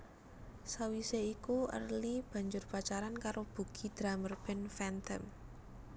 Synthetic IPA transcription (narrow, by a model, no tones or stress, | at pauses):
sawiseikuə̰rlib̥ä̤ɲd͡ʒʊrpat͡ʃaɾankaɾob̥ṳɡ̥i̤d̪̥ɾamərb̥ɛnfɛnt̪əm